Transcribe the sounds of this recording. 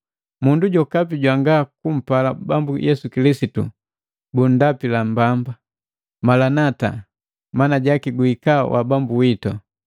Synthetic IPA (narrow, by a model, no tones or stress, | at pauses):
munduɟɔkapiɟwaŋɡakum̩palabambujʔɛsukilisitṵ | bun̩dapilam̩bamba | malanata̰ | manaɟakiɡuikawʔa̰bambuwitɔ